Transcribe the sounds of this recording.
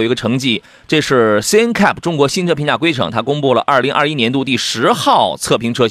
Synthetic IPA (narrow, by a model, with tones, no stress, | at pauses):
i˧˥ɡə˧ʈ͡ʂʰɤ˧˥ŋt͡ɕi˥˩ | ʈ͡ʂɤ˥˧ʂɻ̩˥˩se˥nkʰa˥˩pʰʈ͡ʂʊ˥ŋkwɔ˧˥ɕi˥nʈ͡ʂʰpʰi˧˥nt͡ɕa˥˩kwe˥ɪʈ͡ʂʰɤ̰˧˥ŋt̪ʰa˥kʊ˥ŋpu˥˩lə̰˩ʔɐ˞˥˩li˧˥ŋʔɐ̰˥˩i˥njɛ˧˥nt̪u˥˧t̪i˥˩ʂɻ̩˧˥xɑ˥˧ʊt͡sʰɤ˥˩pʰi˧˥ŋʈ͡ʂʰɤ˥